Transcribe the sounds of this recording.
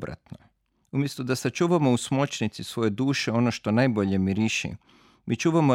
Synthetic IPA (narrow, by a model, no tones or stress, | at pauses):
bɾa̰t̪no | umje̞st̪od̪asat͡ʃuːʋamo̞usmot͡ʃnit̪sisʋo̞je̞d̪uːʃeo̞noʃt̪o̞najbo̞ʎe̞miɾiʃḭ | mit͡ʃuːʋamo